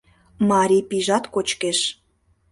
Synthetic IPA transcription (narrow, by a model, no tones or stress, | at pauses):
mɑɾʲipiʒɑt̪kot͡ɕkeʃ